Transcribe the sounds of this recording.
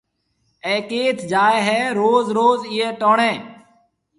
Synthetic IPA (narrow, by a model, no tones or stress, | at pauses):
eːkeːt̪ʰd͡ʒaːeɦɛːɾoːzɾoːzɪːeːʈoːɳẽː